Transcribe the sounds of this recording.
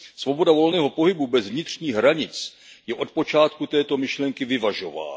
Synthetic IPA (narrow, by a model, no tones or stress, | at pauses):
svo̞bo̞davo̞lnɛːɦo̞po̞ɦɪbubɛzvɲɪt̪r̝̥ɲiːɣɦɾaɲɪt͡sjɛʔo̞t̪̚po̞t͡ʃaːt̪kut̪ɛːt̪o̞mɪʃlɛŋkɪvɪvaʒo̞va̰ː